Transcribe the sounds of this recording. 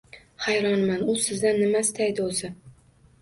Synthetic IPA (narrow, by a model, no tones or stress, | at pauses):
hajɾɒnmanʊsɪzd̪anːɪmast̪ʰajd̪ɪozɪ